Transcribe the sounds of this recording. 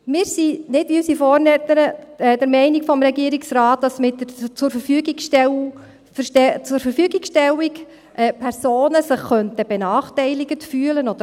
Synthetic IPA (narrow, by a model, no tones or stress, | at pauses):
mɪːɾsinɪdiysifɔːɾnɛt̪əɾəɛdəɾmɛɪnikfɔmɾɛɡiːəɾiksrɑːt̚dɑsmɪtːət͡sʊɾfəɾfyːɡikʃtɛ | fɛt͡sʊɾfəɾfyːɡikʃtɛlːik | ʔɛpʰɛɾsoːnəsəχːœntəb̥ɛnɑːχtɛɪliɡətfyːələnɔd̥̪ə